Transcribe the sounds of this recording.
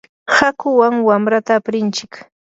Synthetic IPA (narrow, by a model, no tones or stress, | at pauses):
hakʊwaŋwamɾat̪aːpɾɪnt͡ʃɪk